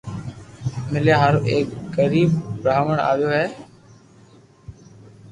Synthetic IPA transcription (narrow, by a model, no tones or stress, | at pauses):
mɪljaːɦəɾʔeːkɡəɾiːbːɾaaːʋəɳa̰ːʋɪjoːɦɛː